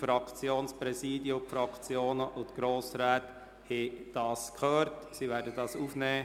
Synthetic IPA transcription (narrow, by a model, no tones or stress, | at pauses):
fɾɑkt͡sjoːnspɾɛsiːdjʊmfɾɑkt͡sjoːnəʔʊt̪ɡ̥ɾoːsɾaːt | hed̥ɑːskʰχøːɾtsivɛːɾdədɑsufnɛː